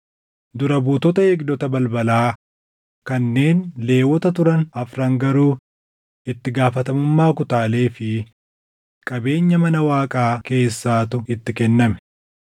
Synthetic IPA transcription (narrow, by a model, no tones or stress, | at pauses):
d̪ʊɾɐbuːt̪ɔt̪ɐeɡd̪ɔt̪ɐbɐlbɐlaː | kɐnːe̞ːnle̞ːwɔt̪ɐt̪ʊɾɐnɐfɾɐŋɡɐɾuː | ɪt̪ːɪɡaːfɐt̪ɐmʊmːaːkʊt̪aːle̞ːfɪ | kʼɐbe̞ːɲːɐmɐnɐwaːkʼaːke̞ːsːaːt̪ʊɪt̪ːɪkɛnːɐmɛ̥